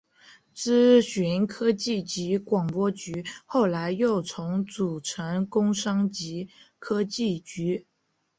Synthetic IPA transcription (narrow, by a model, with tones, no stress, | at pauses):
t͡sɹ̩˥ɕy˧˥nkʰɤ˥t͡ɕi˥˩t͡ɕi˧˥kwɑ˨˩ŋpwɔ˥t͡ɕy˧˥xo˥˩ʊla˧˥ɪjo˥˩ʊt͡sʰʊ˧˥ŋt͡su˨˩ʈ͡ʂʰə˧˥ŋkʊ˥ŋʂɑ˥ŋt͡ɕi˧˥kʰɤ˥t͡ɕi˥˩t͡ɕy˧˥